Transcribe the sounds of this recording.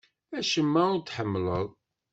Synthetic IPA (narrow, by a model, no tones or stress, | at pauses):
æʃəmːæʊɾt̪ːħəmːləðˤ